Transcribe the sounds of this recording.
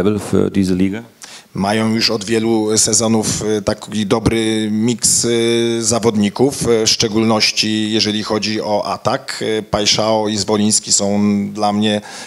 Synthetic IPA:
ɛblfy̰d̪iːzəlʲiːɡa | majɔ̃w̃juʂɔd̪vʲjɛlusɛzɔnuft̪akʲid̪ɔbɾɘmʲikszavɔd̪ɲikuffʂt͡ʂɛɡulnɔɕt͡ɕijɛʐɛlʲixɔd͡ʑiɔʔat̪akpajʂaɔizvɔlʲij̃skʲisɔ̃w̃d̪lamɲɛ

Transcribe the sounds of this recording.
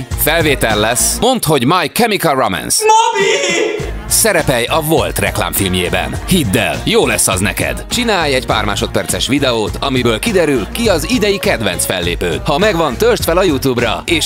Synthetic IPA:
fɛlveːt̪ɛlːɛsmo̞nt̪ho̞ɟmɒjkɛmikɛlromɛ̰nsmɒmi | sɛɾɛpɛjɒvo̞lt̪rɛ̰kla̰ːmɱfilmjeːbɛ̰nhid̪ːɛ̰ljoːlɛsːɒznɛkɛ̰d̪t͡ʃinaːjɛɟpa̰ːrma̰ːʃo̞t̪̚pɛrt̪sɛʃʋid̪ɛoːt̪ʰɒmibøːlkid̪ɛɾylkiɒzid̪ɛjikɛd̪ʋɛ̰nsfɛlːḛːpøːt̪hɒmɛɡʋɒnt̪ørʃt̪fɛlɒjut̪juːbrɒ̰eːʃ

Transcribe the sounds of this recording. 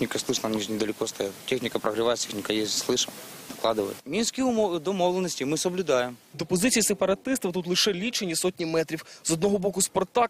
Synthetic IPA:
xnʲɪkɐslˠɨʂnamnʲinʲɪd̪əlʲɪkost̪ɐjat̪tʲexnʲɪkɐpɾɐɣɾɨʋajɪt̪t̪ʲexnʲɪkɐjesʲslˠɪʂɨmd̪ɐklˠad̪ɨʋə̰jɪ̰t̪mʲinskʲiʊd̪ɐmovlˠənːəsʲtʲɪmɨsəblʲʊd̪ajɪmd̪ɔpɔzɪt͡sʲijisepɐɾɐt̪ɪst̪ɐwt̪ut̪lˠɨʃɛlʲit͡ʃenʲːisotʲnʲimɛt̪ɾʲiwzɔd̪nɔɦɔbɔkʊspɔrt̪ɑk

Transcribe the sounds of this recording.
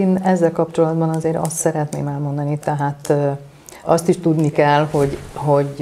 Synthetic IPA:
eːnɛzːɛlkɒpt͡ʃo̞lɒd̪bɒnɒzeːɾɒ̰st̪sɛɾɛt̪neːmɛlmo̞nd̪ɒnit̪ɛɦaːt̪ | ɒst̪iʃt̪ud̪nikɛlho̞ɟɦo̞ɟ

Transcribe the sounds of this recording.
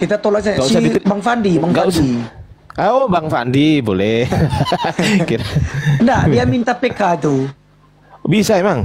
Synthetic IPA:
kit̪at̪olasaɡausaibaŋfandibaŋɡausi | ʔaobaŋfa̰ndibolɛ | kiɾandaiamint̪apekadu | bisaɛmaŋ

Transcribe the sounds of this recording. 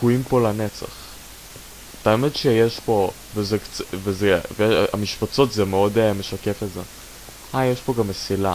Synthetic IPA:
kuimpo̞lanet͡sa̰χ | at̪aomed̪ʃejeʃpo̞ | vezekt͡svezevejea̰miʃpat͡so̞tzemeo̞deme̞ʃakefeze | hajeʃpo̞ɡamesila

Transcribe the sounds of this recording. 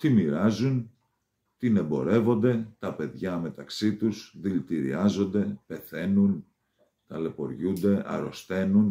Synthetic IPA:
t̪imiɾɐzun | t̪ine̞bo̞ɾe̞vo̞nd̪e̞t̪ɐpe̞ðʝɐme̞t̪ɐksit̪usðilt̪iɾḭɐzo̞nd̪e̞pe̞θe̞nun | t̪ɐle̞po̞̰ɾʝund̪e̞ʔɐ̰ɾo̞̰st̪e̞nun

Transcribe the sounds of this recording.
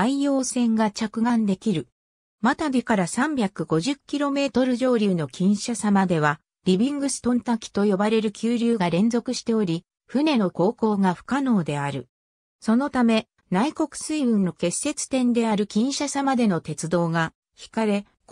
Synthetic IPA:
aijo̞ːsẽ̞ŋɡat͡ɕakɯ̟ɡãnd̪e̞kʲiɾɯ̟ | mat̪abʲikaɾasãmbʲakɯ̟ɡo̞ʑɨkʲːiɾo̞me̞ːt̪o̞ɾɯ̟ʑo̞ːɾʲɯːno̞kʲĩɰ̃ɕasamad̪e̞β̞a | ɾʲibʲĩŋɡɯ̟sɨ̥t̪õ̞nt̪akʲi̥t̪o̞jo̞baɾe̞ɾɯ̟kʲʰɨːɾʲɨːɡaɾẽ̞nzo̞kɯ̟ɕi̥t̪e̞o̞ɾʲi | ɸɯ̟ne̞no̞ko̞ːko̞ːɡaɸɯ̟̥kano̞ːd̪e̞aɾɯ̟ | so̞no̞t̪ame̞ | naiko̞kɯ̟̥sɨibɯ̟̃nːo̞ke̞sːe̞t͡sɨ̥t̪ẽ̞nd̪e̞aɾɯ̟kʲĩɰ̃ɕasamad̪e̞no̞t̪e̞t͡sɨd̪o̞ːɡa | çi̥kaɾe̞ | k

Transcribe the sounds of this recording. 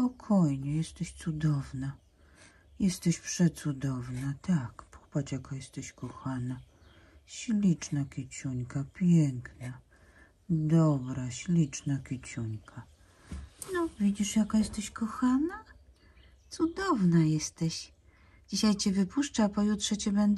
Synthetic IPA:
pɔkʰɔjɲɛjɛst̪ɛɕt̪sud̪ɔvna | jɛst̪ɛɕpʂɛtt̪sud̪ɔvnat̪akpʰɔ̥pat͡ɕjakajɛst̪ɛɕkɔxana | ɕlʲit͡ʂnakʲit͡ɕuɲkapʲjɛŋkna | d̪ɔbɾaɕlʲit͡ʂnakʲit͡ɕuɲkʰa | nɔvʲid͡ʑiʂjakajɛst̪ɛɕkɔxana | t̪sud̪ɔvnajɛst̪ɛɕ | d͡ʑiɕajt͡ɕɛvɘpuʂt͡ʂapɔjut̪ʂɛt͡ɕɛbɛnd̪

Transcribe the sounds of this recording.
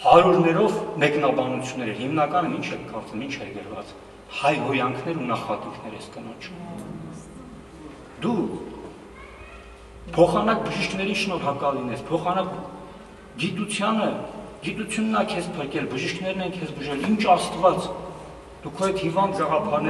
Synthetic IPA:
hɑɾuɾnɛɾɔvmɛknɑbɑnut͡sʰjunːɛɾɛɦimnɑkɑnəmint͡ʃʰɛkʰkɑɾt͡səmint͡ʃʰɛɾɡəɾvɑ̰t͡s | hɑjɡɔjɑŋkʰnɛɾunɑχɑt̪ikʰnɛɾɛskənɔt͡ʃʰu | d̪u | pʰɔχɑnɑk̚bəʒiʃkʰn̪ɛɾinʃnɔɾɑkɑlinɛspʰɔχɑnɑk | ɡit̪ut͡sʰjɑnəɡit̪ut͡sʰjunːɑkʰɛspʰəɾkɛlbəʒiʃkʰnɛɾnɛnkʰɛsbuʒɛlint͡ʃʰɑst̪vɑt͡s | d̪̥ukʰɔjɛt̪ʰhivɑnd̪ɡɑʁɑpʰɑɾnɛ

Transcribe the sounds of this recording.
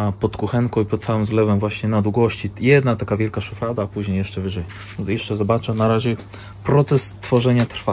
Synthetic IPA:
pɔt̪kuxɛŋkɔ̃ipɔt̪t̪sawɛmzlɛvɛmvwaɕɲɛnad̪wuɡɔɕt͡ɕijɛd̪nat̪akavʲjɛlkaʂuflad̪aːpuʑɲejɛʂt͡ʂɛvɘʐɛj | jɛʂt͡ʂɛzɔbat͡ʂɛnaɾaʑɛ | pɾɔt̪sɛst̪fɔʐɛɲat̪ɾfa

